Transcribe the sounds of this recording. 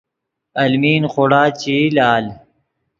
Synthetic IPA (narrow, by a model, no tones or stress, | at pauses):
ɐlmiːnxoɽaːt͡ɕilaːl